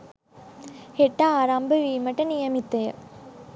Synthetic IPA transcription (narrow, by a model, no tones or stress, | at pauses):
heʈːaːɾambəʋiːmɐʈənijɐmit̪ːejə̰